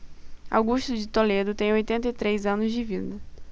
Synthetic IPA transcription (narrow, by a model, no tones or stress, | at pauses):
a̰wɡuʃt̪ʊd͡ʒɪt̪oled̪ʊt̪ẽj̃ojt̪ẽnt̪ɐit̪ɾejzɐ̃nʊzd͡ʒɪvid̪ɐ